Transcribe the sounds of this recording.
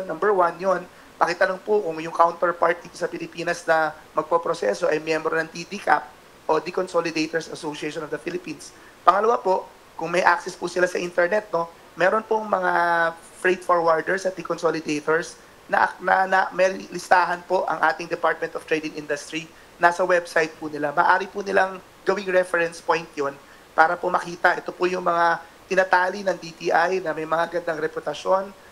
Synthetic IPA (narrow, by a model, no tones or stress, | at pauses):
nːɐmbɛɹwanjon | pɐkɛt̪ɐnoŋpʊkʊŋjʊŋkawnt̪ɛɹpaɹt̪̚d̪iːt̪osɐpɪlɪpiːnɐsnɐ | mɐɡ̚popɾosɛso̞ʔɐjmjɛmbɾonɐŋd̪id̪ikap̚ | ʔod̪ikonsolɪd̪ejt̪oɹsɐsoʃieʃonovd̪ɐfilɪpiːns | pɐŋɐlɐwapo̞ʔ | kʊŋmɐjʔa̰k̚sɛspʊsɪlasɐʔint̪ɛɹnɛt̪̚no̞ | mɛːɾonpoŋmɐŋaa | fɾejt̪̚foɹwaɹd̪ɛɹsɐt̪̚d̪ɛkonsolɪd̪ejt̪oɹs | nɐʔɐnɐnɐmɛlɪst̪aːɦɐnpo̞ʔɐ̰ŋʔaːt̪ɪŋd̪ɛpaɹt̪̚mɛnt̪oft̪ɾejd̪ɪŋʔind̪ɐst̪ɾi | nasɐwɛbsajt̪̚punɪlamɐ̰ːʔaːɾɪpunɪlaŋ | ɡɐwɪŋɹɛfɛɾɛnspojnt̪jon | paːɾɐpomɐkiːt̪ɐʔɛt̪opʊjʊŋmɐŋa | t̪ɪnɐt̪aːlinɐŋd̪it̪iʔajnɐmɐjmɐŋaɡɐnd̪aŋɾɛpot̪ɐʃo̞n